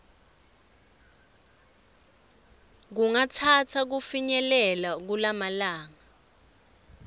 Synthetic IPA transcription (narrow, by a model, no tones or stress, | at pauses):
k̬uŋatʰatʰak̬ufiɲɛlɛlak̬ulamalaːŋa